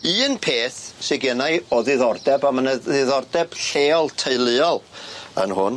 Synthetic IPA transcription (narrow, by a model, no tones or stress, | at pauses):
ɨːnpʰeːθsɪɡjənaɨɔðɪðɔrdɛbamənəðɪðɔrdɛb̥ɬeːɔlˠtʰeɨlˠɨɔlˠə̰nhʊ̰n